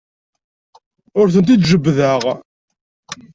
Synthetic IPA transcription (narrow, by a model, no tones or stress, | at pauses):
ʊɾθənt̪̬id̪ʒəbːðəʁ